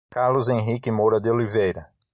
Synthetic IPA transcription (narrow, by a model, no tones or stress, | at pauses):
kaɾlʊzẽɦikɪmoɾɐd̪ɪolivejɾɐ